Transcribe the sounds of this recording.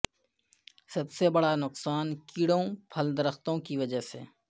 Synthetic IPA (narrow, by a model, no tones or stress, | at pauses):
sɐbsebɐɽanʊqsaːnkiːɽõpʰəld̪ɐɾəxt̪õkiʋɐd͡ʒəɦsḛː